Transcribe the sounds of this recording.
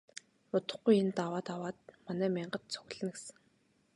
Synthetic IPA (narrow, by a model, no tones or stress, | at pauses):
ʊt̪ə̆χɡujent̪awaːt̪awaːt̪̚manæːmʲiɴɢə̆t̪t͡sʰʊ̥ɣɮɘ̆ŋɡesɘ̆ŋ